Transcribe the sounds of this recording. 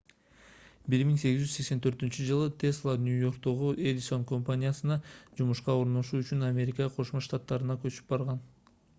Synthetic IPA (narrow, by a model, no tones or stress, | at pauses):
biɾmiŋse̞ɡizd͡ʒysse̞kse̞nt̪ʰøɾt̪ynt͡ʃyd͡ʒɯlˠɯt̪ʰe̞slˠanʲujo̞rk̚d̪o̞ʁuʔed̪iso̞nko̞mpanʲijasɯnɑd͡ʒumuʃqɑo̞ɾno̞ʃuːyt͡ʃynamʲe̞ɾʲɪkɑqʰo̞ʃmoʃt̪at̪ːɑɾɯnɑkøt͡ʃy̥p̚bɑɾʁɑn